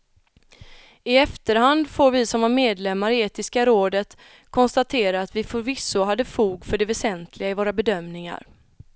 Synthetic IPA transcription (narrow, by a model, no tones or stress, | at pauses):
ɪɛft̪əɾhand̪foːɾvɪsɔmvaɾmeːd̪lɛmːaɾɪeːt̪ɪskaɾoːd̪ət̪ | kʰɔnst̪at̪ʰeːɾaːt̪vɪfvɪsːʊɦad̪ːəfuːɡfœɖɛvɛsɛnt̪ʰlɪɡaɪvoːɾabɛd̪œmnɪŋa̰ɾ